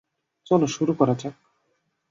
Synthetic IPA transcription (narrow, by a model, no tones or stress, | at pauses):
t͡ʃɔloʃuɾukɔɾat͡ɕak